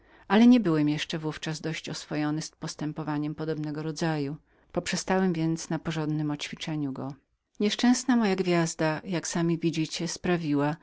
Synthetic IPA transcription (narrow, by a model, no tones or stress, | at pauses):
ʔalɛɲɛbɘwɛmjɛʂt͡ʂɛvuft͡ʂazd̪ɔɕt͡ɕɔsfɔjɔnɘspɔst̪ɛmpɔvaɲɛmpɔd̪ɔbnɛɡɔɾɔd̪zaju | pɔpʂɛst̪awɛmvʲjɛnt̪snapɔʐɔnd̪nɘmɔt͡ɕfʲit͡ʂɛɲuɡɔ | ɲɛʂt͡ʂɛ̃w̃snamɔjaɡvʲjazd̪ajaksamʲivʲid͡ʑit͡ɕɛspɾavʲiwa